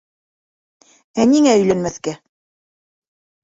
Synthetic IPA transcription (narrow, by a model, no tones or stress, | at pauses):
æniŋæɵ̆jlænmæθkæ